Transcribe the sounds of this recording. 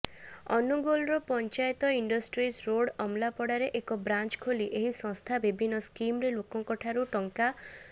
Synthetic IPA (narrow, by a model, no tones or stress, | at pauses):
ɔ̰nuɡɔlɾɔpɔnt͡ʃajt̪ɔiɳɖɔsʈɾisɾoɽɔmlapɔɽaɾeʔekɔbɾant͡ʃkʰoliʔeɦisɔ̃ŋst̪ʰabibʱinːɔskimɾelokɔŋkɔʈʰaɾuʈɔŋka